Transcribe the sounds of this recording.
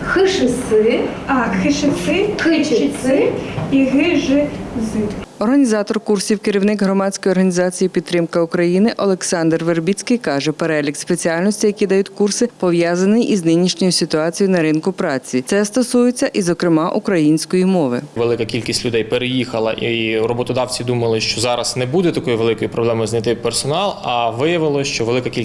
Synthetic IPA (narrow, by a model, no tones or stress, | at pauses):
xɪʃɪsɪ | ɑxɪʃɪsɪxɪt͡ʃsɪiɦɪʒɪzɨt̪ɔrɦɐnʲizɑt̪ɔrkursʲiwkɪɾʲiwnɪɡɦɾɔmɑdʲt͡sʲkɔjɔrɦɐnʲizɑt͡sʲijipʲid̪̚t̪ɾɪmkɐʊkɾɐjinɪʔɔlˠeksɑnd̪rʋerbʲit͡sʲkɪjkɑʒɛpeɾɛlʲikspet͡sʲiɑlʲnɔsʲtʲijɐkʲid̪ɐjutʲkursɪpɔʋjazɐnɪjʔiznɪnʲiʃnʲɔjʊsʲɪt̪ʊɑt͡sʲijʊnɐɾɪnkʊpɾɑt͡sʲiɛst̪ɔsujet͡sʲːɐʔizɔkɾɪmɑʔukɾɐjinʲsʲkɔjimɔʋɪ̰ʋelˠɪkɐkʲilʲkʲisʲtʲlʲʊd̪ɛjpeɾejixɐlˠɐʔiɾɔbɔt̪ɔd̪ɑwt͡sʲid̪umɐlˠɪʃt͡ʃɔzɑɾɐz̥nɛbud̪ɛt̪ɐkɔjiʋe̞lˠɪkɔjipɾɔblˠɛmɔjznʲɐt̪ɪpersɔnɑlˠɐʋɪjɐʋɪlˠɔʃt͡ʃɔʋelˠɪkɐkʲi